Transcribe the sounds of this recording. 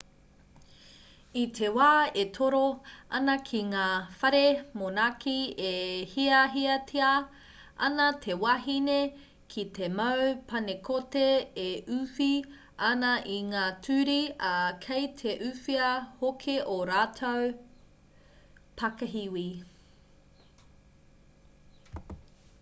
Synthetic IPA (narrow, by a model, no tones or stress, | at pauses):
itʰewaːetʰoɾoɐ̰nɐkʰiŋaːfɐɾemonakʰiehiɐɦiɐtʰeɐ | ʔɐ̰nɐtʰe̞waɦine | kʰitʰemɐwpʰɐnekʰoteeʔʉfi | ɐnɐʔiŋaːtʰʉːɾiɐkʰejtʰeʔʉfiɐhokʰeʔoɾaːtʰow | pʰɐkɐɦiwi